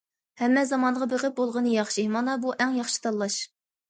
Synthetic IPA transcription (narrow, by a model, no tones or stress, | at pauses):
hɛmːɛzɑmɑnʁɑbeʁɪp̚bolˠʁənɨjɑχʃimɑnɑbuʔɛŋjɑχʃi̥t̪ʰɑlˠːɑʃ